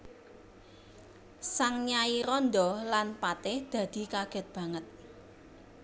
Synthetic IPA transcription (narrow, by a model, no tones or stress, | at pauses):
saŋɲaiɾɔnd̪ɔlanpat̪ɪhd̪̥ä̤d̪̥i̤kaɡ̥ɛ̤t̪̚b̥ä̤ŋət̪̚